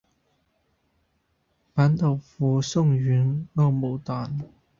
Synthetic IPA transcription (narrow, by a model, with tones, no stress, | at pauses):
paː˨˥nt̪o˨˩wfuː˨˥˦sʊ˥˧ŋɥyː˨˥nŋɔː˥˧mo˨˩wt̪aː˨˩n